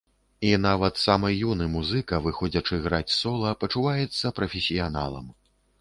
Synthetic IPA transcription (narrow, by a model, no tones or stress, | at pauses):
inavɐt̪samɐjunɨmuzɨkɐvɨxɔd͡zʲɐt͡ʂɨɣɾat͡sʲsɔlˠɐpɐt͡ʂuvajɛt̪sːɐpɾɐfʲesʲijana̰lˠɐ̰m